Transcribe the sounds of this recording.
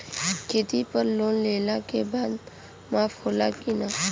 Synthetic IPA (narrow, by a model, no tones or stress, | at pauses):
kʰeːt̪ipəɾloːnleːlakebaːd̪ | maːfoːlakina